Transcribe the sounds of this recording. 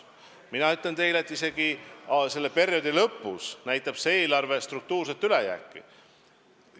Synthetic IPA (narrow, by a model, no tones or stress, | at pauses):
minɑyt̪lent̪e̞jle̞t̪ːˑise̞ɡ̥ise̞lːepe̞ɾio̞d̪̥ilɤpːˑusnæjt̪ːˑɑb̥seeːlɑrve̞st̪ruk̚t̪uːrset̪ːˑylejæ̰ːkˑːḭ